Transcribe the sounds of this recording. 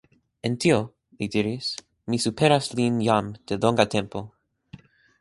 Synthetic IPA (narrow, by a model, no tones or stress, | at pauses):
ent̪io | lid̪iɾis | misupʰeɾaslinjamd̪̥elõŋɡat̪ẽmpo